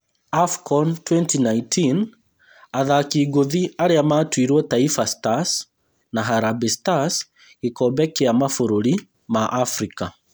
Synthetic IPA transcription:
afkɔntwɛntinaintin | aðakiɡoðiaɾeamaːtwiɾwɔtaifastas | naɦaɾabistas | ikɔbɛkeamafoɾoɾi | maʔafɾika

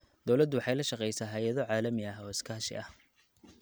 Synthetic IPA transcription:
d̪̥ɔwlɐd̪ʊwɑħɑjlɐʃɑqɛjsaːɦɐjɐðɔʕɑːlɐmɪɐɦɔːɪskʰaːʃɪ̰ʔɐh

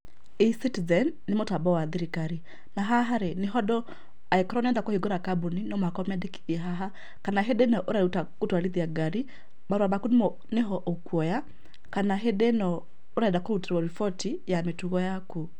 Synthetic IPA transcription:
isitizɛnːemotabɔwaðiɾikaɾi | naɦaɦaɾeneɦɔdɔ | aekɔɾɔnɛːndakohiɡoɾakaboninɔmakɔmɛdiki̥ðɛɦaɦa | kanaɦedenɔʔoɾaɾutakotwaliðiaɡaɾi | baɾwabakun | neɦɔʔokwɔja | kanaɦedenɔ | oɾadakoɾuteɾwɔɾifɔti | jametuɣɔjaku

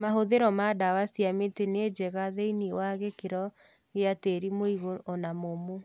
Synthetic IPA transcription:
maɦoðeɾɔmadawasiametened͡ʒɛɣaðeiniwaɣekeɾɔ | ɣeateɾimoiɣoʔɔnamomo

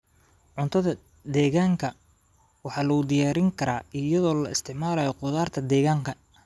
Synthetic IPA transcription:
ʕʊnt̪ʰɐðɐ | d̪ɛːɣaːŋkʰɐ | wɑħɑːlɐɣʊd̪ɪjaːɾɪŋkʰɐɾaːɪjɐðɔːlɐɪst̪ʰɪʕmaːlɐːjɔqʊðaːrt̪ʰɐd̪ɛːɣaːŋkʰɐ

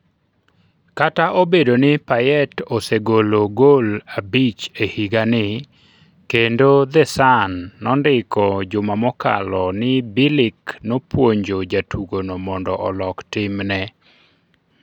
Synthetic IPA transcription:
kataʔobedonɪpajɛtoseɡoloɡolabit͡ʃehiɡanɪ | kendod̪ɛsanːɔndɪkɔd͡ʒʊmamɔka̰lɔnɪbɪlɪknopwoɲd͡ʒod͡ʒatʰuɡonomɔndɔʔɔlɔktɪmnɛ

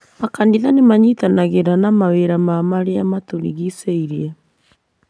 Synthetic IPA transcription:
makandiðanemaɲitanaɣeɾanamaweɾamamaɾeamatoɾḭɣiseiɾiɛ

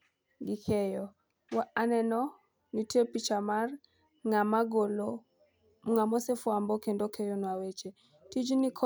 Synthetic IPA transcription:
ɡɪkʰɛjɔ | waanɛnɔ | nitepit͡ʃamar | ŋamaɡolo | ŋamɔsefwambɔkendokʰejonwawet͡ʃe | tid͡ʒnikʰɔ

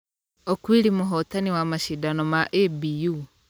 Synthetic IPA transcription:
okwiɾimoɦɔtaniwamaʃidanɔmaʔebiju

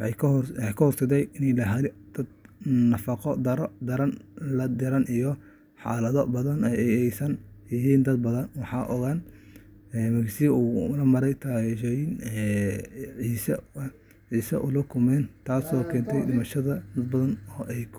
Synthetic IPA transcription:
wħɑjwħɑjkʰɐhɔrsɐd̪ɛjɪnɛlɐɦɐlɪd̪̥ɐd̪nɐfɑqɔd̪ɐɾɔd̪ɐɾɐnlɐd̪ɪɾɐnijɔ | ħɑ̰ːlɐðɔbɐðɐnɛɛjɛjsɐnjɪɦiːnd̪ɐd̪̚bɐðɐnwɑħɑːʔɔɣan | ɛːmɐɣsiuːnɐmɐɾɛjt̪ʰaʃjɪnɛ | ʕiːsɐ | ʕiːsɐʔʊlɐkʰʊmɛːnt̪ʰaːsɔːkʰɛːnt̪ʰɛjdɪmɐʃɐðɐd̪ɐd̪̚bɐðɐnɔːʔɛjkʰ

